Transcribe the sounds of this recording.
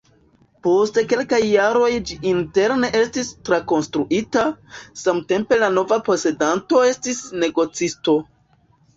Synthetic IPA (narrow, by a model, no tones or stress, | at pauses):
po̞ste̞ke̞lkajːaɾo̞jd͡ʒiinte̞ɾne̞ʔe̞stistɾako̞nstɾuʔitasamte̞mpe̞lano̞vapo̞se̞danto̞e̞stisne̞ɡo̞t͡sisto̞